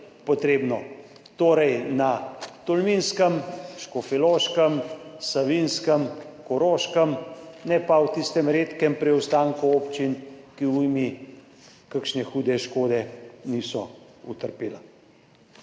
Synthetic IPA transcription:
pɔt̪ɾeːbnɔ | t̪oːɾɛjnat̪ɔlminskəmʃkɔfɛloːʃkəmsaʋinskəmkɔɾoːʃkəmnɛpawt̪ist̪ɛmɾeːt̪kɛmpɾɛwst̪aːŋkuopt͡ʃinkiujmi | kəkʃnɛxuːd̪ɛʃkoːd̪ɛniːsɔ | ṵt̪əɾpeːla

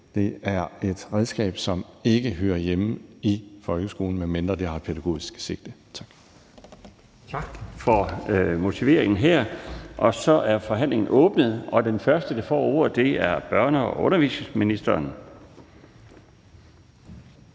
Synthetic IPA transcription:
d̥e̝æɐe̝d̥ʁɛðˠsɡ̥ɛ̰ːb̥sɒ̽me̝ɡ̥əɦøːɐjemifɒ̽lɡ̥əsɡ̥o̝ːln̩meme̝nd̥ʁɐd̥eɦɑ̈pʰeɾæɡ̥o̝̰ːisɡ̥se̝ɡ̥̚d̥ət͡sʰɑ̈ɡ̥ | fɒmo̝t͡sʰiʋe̝ɐ̰eŋn̩ɦeɐ̰ʔɒ̽sɒ̽ʔæɐfɒ̽ɦæn̰le̝ŋn̩ʔɔ̽ːb̥nəð̞̩ˠɒ̽d̥enfɶɐsd̥əd̥ɑ̈fɒ̰ːo̰ːɐ̰d̥e̝æɐb̥ɶɐnəɒʔɔ̽nɐʋḭːsminisd̥ɐːn

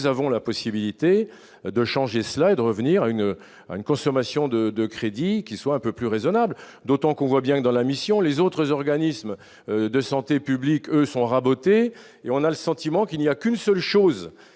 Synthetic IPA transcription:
zavɔ̃lapɔsibilit̪e | d̪əʃɑ̃ʒesəlaed̪əʁəvniʁayn | a̰ynkɔ̃sɔmasjɔ̃d̪əd̪əkχed̪ikʲiswaɛ̃pøplyʁezɔnabl | d̪ot̪ɑ̃kɔ̃vwabjɛ̃d̪ɑ̃lamisjɔ̃lezot̪χəzɔʁɡanism | d̪əsɑ̃t̪epyblikøsɔ̃ʁabot̪e | eɔ̃naləsɑ̃t̪imɑ̃kilnijakynsœlʃoz

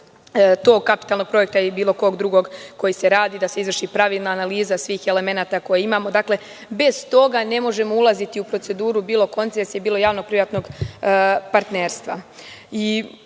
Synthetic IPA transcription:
t̪o̞ːɡ̚kapi̥t̪alˠno̞ɡ̚pɾo̞je̞k̚t̪aibiːlo̞ko̞ːɡd̪ɾuɡo̞ɡko̞jise̞ɾaːd̪id̪ase̞izʋrʃipɾaʋiːlˠnaːnaliːzasʋiːxe̞le̞me̞naːt̪ako̞jeimaːmo̞d̪akle̞ | be̞z̥t̪o̞ɡane̞mo̞ʒe̞moulˠazit̪iupɾo̞t̪se̞d̪uːɾubiːlo̞ko̞nt̪sesjebiːlo̞jaːʋno̞ɡ̚pɾiʋat̪no̞ɡ | paɾt̪ne̞ːɾst̪ʋa̰i

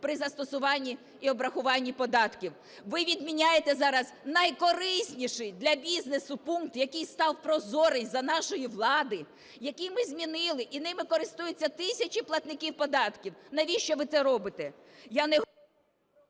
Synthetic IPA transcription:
pɾɪzɐst̪ɔsʊʋɑnʲːi | iɔbɾɐxʊʋɑnʲːipɔd̪ɑt̪kʲiw | ʋɪʋʲid̪mʲinʲajet̪ɛzɑɾɐznɐjkɔɾɪsʲnʲiʃɪjd̪lʲɐbʲiznesʊpuŋk̚t̪jɐkijst̪ɑwpɾɔzɔɾenʲzɐnɑʃɔjiʋlˠɑd̪ɪ | jɐkʲijmɪzʲmʲinɪlˠɪʔinɪmɪkɔɾɪst̪ujet͡sʲːɐt̪ɪsʲɐt͡ʃʲiplˠɐt̪nɪkʲiwpɔd̪ɑt̪kʲiwnɐʋʲiʃt͡ʃɔʋɪt̪sɛɾɔbɪt̪ɛ | jɑnɛ

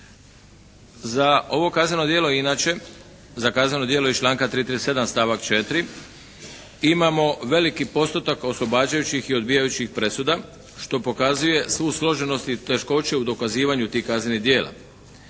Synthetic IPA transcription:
zaʔo̞ʋo̞kazneno̞d̪jeːlo̞inaːt͡ɕe̞ | zakazɲʲe̞no̞d̪jelo̞it͡ʃlaːŋkat̪ɾiːt̪ɾise̞d̪amst̪aːʋakt͡ʃe̞t̪ɾi | imamo̞ʋe̞likipo̞st̪ot̪ako̞slo̞baːd͡ʑajut͡ɕixio̞d̪bijajut͡ɕixpɾe̞sud̪a | ʃt̪o̞po̞kazuje̞sʋuːslˠo̞ʒe̞no̞st̪it̪e̞ʃko̞t͡ɕe̞ud̪o̞kaziːʋaɲut̪iːhkaznʲenid̪je̞ːlˠʔa̰

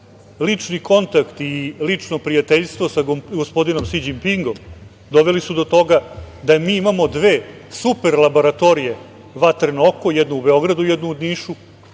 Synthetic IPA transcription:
lit͡ʂniko̞nt̪akt̪ilit͡ʂno̞pɾijat̪eʎʲst̪ʋo̞saɡospo̞d̪ino̞msid͡ʑimpiŋɡo̞m | d̪o̞ʋelisud̪o̞t̪o̞ɡad̪amiːimamo̞d̪ʋe̞ːsupe̞ɾlˠabo̞ɾat̪o̞ɾije | ʋat̪ɾnokojɛd̪nuubeo̞ɡɾad̪ujɛd̪nuud̪niːʂu

